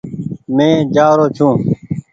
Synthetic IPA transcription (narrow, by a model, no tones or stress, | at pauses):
mẽːd͡ʒaːɾoːt͡ʃʰũː